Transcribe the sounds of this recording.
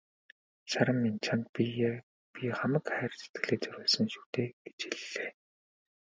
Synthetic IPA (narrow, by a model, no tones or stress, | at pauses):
ʃaɾə̆mːint͡ɕʰant̪̚p | pʲiχamə̆kχæːrʲse̥t̪̚ɡ̥ɘ̆ɮeːt͡sœɾʲʊːɮsə̆ŋʃu̥ːt̪eːɡ̥et͡ɕiɮːeː